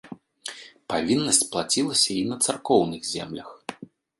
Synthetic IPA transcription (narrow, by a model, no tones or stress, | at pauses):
pavʲinːɐsʲt͡sʲplˠat͡sʲilˠɐsʲɐinɐt̪sarkɔwnɨɣzʲɛ̰mlʲɐx